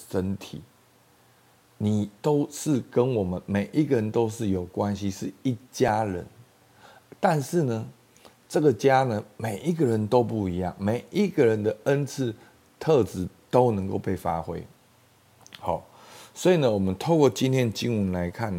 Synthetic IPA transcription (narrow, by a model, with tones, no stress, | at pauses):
ʂə˦nt̪ʰḭ˨˩˦ | ni˨˩t̪o˦˥ʊʂɻ̩˥˨kə˦nwɔ˨˩mə˦nme˨˩ɪʔi˦ɡə˨ɻə˧˦nt̪o˥ʊʂɻ̩˥˩jo˨˩ʊkwa˦nɕi˧˦ʂɻ̩˥˨i˥˩t͡ɕja˦ɻə̰˧˦n | t̪a˥˧nʂɻ̩˥˩nə˩ | ʈ͡ʂə˥˨˩ɡə˨t͡ɕja˦nə˧me˨˩ɪʔi˦ɡə˨ɻə˨˦nt̪o˦ʊpu˥˩i˧˦jɑ˥˨˩ŋme˨˩ɪi˦ɡə˨ɻə˧˦nd̪ə˨ə˦˥nt͡s̩ʰ˥˧ | t̪ʰɤ˥˨t͡sɹ̩˨˥t̪o˦˥ʊnə˧˥ŋko˥˧ʊpe˥˩ɪfa̰˦xwḛ˦ɪ | hɑ̰˨˩ | swɔ˧˥i˨nə˦wɔ˨˩mə˦nt̪ʰo˥˧ʊkwɔ˥˩t͡ɕi˦nt̪ʰjɛ˥˧nə˨t͡ɕi˦ŋwə˧˦nla˧˦ɪkʰa˥˩n